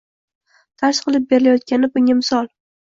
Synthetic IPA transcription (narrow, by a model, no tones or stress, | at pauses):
t̪ʰaʃqɨlˠɪp̚be̞ɾɪlajɒt̪̚kʲanɪbʊŋʲamɪsɒlˠ